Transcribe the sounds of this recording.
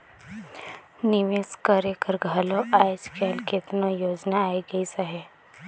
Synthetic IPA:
niʋeskəɾekəɾɡʱaloʔajd͡ʒkelket̪nojoːd͡ʒnaːiɡəisəɦe

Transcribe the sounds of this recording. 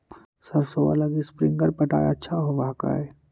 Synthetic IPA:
sɐɾsoʋa̰laɡispɾɪ̃ŋɡəɾpɐʈa̰ːja̰tːʃʰaɦoʋaka̰ɛː

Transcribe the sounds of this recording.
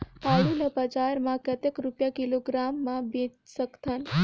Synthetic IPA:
paɭinəpəd͡ʒaɾmãkət̪ekɾupjakiloɡɾamːãbĩsəkt̪ʰən

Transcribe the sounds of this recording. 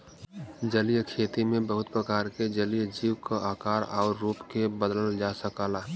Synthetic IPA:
d͡ʒəlijkʰeːt̪imẽbəɦʊt̪̚pɾəkaːɾked͡ʒəlijd͡ʒiːwkaaːkaːɾaːɾːuːpkebəd̪ləld͡ʒasəkaːlaː

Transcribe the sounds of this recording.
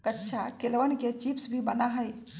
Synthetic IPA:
kətːʃʰakelʋənket͡ʃipsbʱibənaɦəj

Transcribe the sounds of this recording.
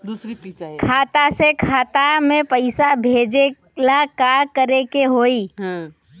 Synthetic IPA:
d̪uɾikʰaːt̪asekʰaːt̪amẽpəɪsabʱeːd͡ʒe | lakaɾkəɾekeɦoiɦ

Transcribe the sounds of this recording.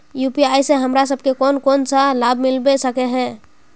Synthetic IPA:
jupiajsẽɦəmɾas̬əb̚ʱkekonkonsalab̚ʱmilbesəkɛɦɛ̃

